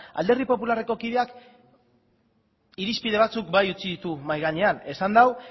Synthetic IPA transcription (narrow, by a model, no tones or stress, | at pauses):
a̰ld̪e̞rɣipo̞pulare̞ko̞kiðe̞ak | iɾispið̞e̞β̞at͡suk̚bajut͡siðit̪umajɣaɲe̞ane̞sand̪aw